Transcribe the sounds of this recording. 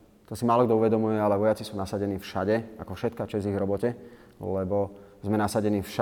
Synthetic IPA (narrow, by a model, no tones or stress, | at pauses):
t̪ɔsimaːlɔɡd̪ɔuʋɛd̪ɔmujɛalɛʋɔjat͡sisuːnasaɟɛniːfʃaɟɛakɔfʃɛt̪̚kaːt͡ʃɛziɣɾɔbɔcɛ | lɛbɔzmɛnasaɟɛniːfʃa